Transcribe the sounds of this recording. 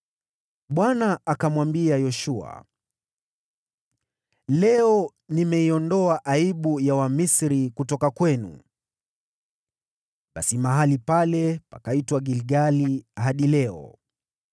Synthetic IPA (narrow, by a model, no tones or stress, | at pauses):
ɓwanaːkamwambiajɔʃua̰ | lɛɔ | nimɛiɔndɔaʔaiɓujawamisɾikutɔkakwɛnṵ | ɓasimaɦalipalɛpakaitwaɡilɡaliɦaɗilɛɔ̰